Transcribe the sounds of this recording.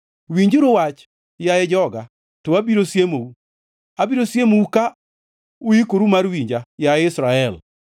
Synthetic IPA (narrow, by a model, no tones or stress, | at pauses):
wiɲd͡ʒuɾowat͡ʃ | jajɛd͡ʒɔɡa | towabiɾosjemou | abiɾosjemouka | uikoɾumaɾwiɲd͡ʒajaɛɪsɾaɛl